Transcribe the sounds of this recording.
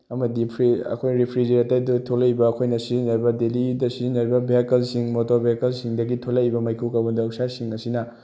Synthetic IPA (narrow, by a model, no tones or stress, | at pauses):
ɐmɐdipʰɾiɐ̰kʰojɾipʰɾid͡ʒeɾɐtajdutʰolaibɐːkʰojnɐsizinɐɾbɐdelidɐsizinɐɾibɐbekɐlsiŋmotobekɐlsiŋdɐɡitʰolaibɐmɐjkʰukabundaːwsasiŋɐsinɐ